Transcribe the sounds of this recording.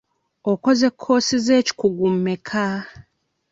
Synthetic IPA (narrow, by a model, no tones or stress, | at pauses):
oko̞ze̞kʰːo̞ːsize̞ːci̥kuɡumːekʰa